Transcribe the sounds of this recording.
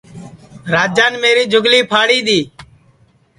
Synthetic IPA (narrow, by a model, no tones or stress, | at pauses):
ɾaːd͡ʒaːnmeːɾiːd͡ʒʊɡliːpʰaːɽiːd̪iː